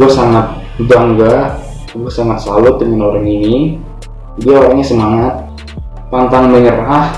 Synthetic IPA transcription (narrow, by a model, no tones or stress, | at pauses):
buasaŋat̪̚ | baŋɡa | buasaŋat̪̚salʊt̪̚dəmɪnoɾaŋini | biaoɾaɲasəmaŋat̪̚ | pant̪aŋməɲəɾah